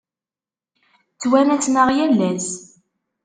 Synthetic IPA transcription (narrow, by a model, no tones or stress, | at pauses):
t͡sːwænæt͡sːnəʁjælːæs